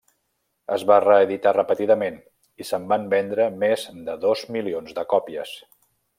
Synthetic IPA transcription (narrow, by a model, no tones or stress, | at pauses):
əzβarəːðit̪arəpət̪iðəmen | isəmbambɛnd̪ɾəmezd̪əðozmilionzd̪əkɔpiə̰s